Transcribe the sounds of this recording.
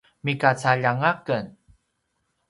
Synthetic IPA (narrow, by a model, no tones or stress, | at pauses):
mikat͡saʎaŋakən